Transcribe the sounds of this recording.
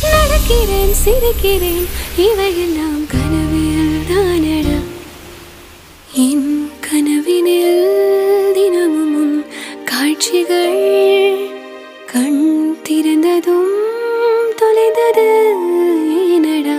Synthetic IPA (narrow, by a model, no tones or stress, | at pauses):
nɐɽɐkːɪɾeːnsiɾɯkːiɾeːniʋɐjɐnaːmkɐnɐʋijɐd̪aːnɐɽɐ | inkʰɐnɐʋinil | d̪inɐmumunkaːɻt͡ʃiɣɐɭ | kɐɳt̪iɾɐnd̪ɐðu | t̪ɔlɐɪnd̪ɐðɯ | eːnɐɽɐ